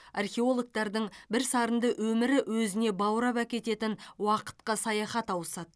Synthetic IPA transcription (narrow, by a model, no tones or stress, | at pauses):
ɑrχʲe̞o̞lˠok̚t̪ɑɾd̪əɴbɪɾsɑɾənd̪əʔwɵmɪɾɪwɵzɪne̞bɑwɾɑpækʲe̞t̪e̞t̪ɪnwɑqə̥t̪̚qɑsɑjɑχɑt̪ɑwəsɑd̪ə